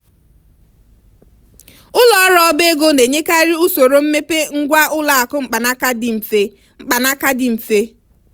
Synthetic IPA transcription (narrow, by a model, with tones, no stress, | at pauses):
ʊ˦lɔ˦ɾɔ˨˦be˦ɡo˦ne˨ɲe˦ka˦ɾi˦u˦so˨ɾo˨m̩˦me˦pe˦ŋ̩˦ɡʷa˦ʔʊ˦la˨a˨kʊ˦ŋ͡m̩˨k͡pa˨na˦ka˦dɪ˨m̩˨fe˦ | ŋ͡m̩˨k͡pa˨na˦ka˦dɪ˨m̩˨fe˦